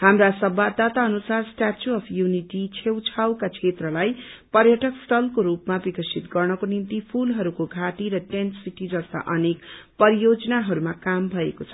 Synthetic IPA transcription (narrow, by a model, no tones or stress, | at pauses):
hamrasʌbad̪at̪aʌnusarsʈat͡ʃuʌpʰjuniʈit͡sʰewt͡sʰawkat͡sʰet̪rʌlajpʌrjʌʈʌksʈʰʌlkoɾupmabikʌsit̪ɡʌrnʌkonimt̪ipʰulɦʌɾukoɡʱaʈiɾʌʈensiʈid͡zʌst̪a̰ʔʌnekpʌɾijod͡zʌnaɦʌɾumakambʱʌekot͡sʰʌ̥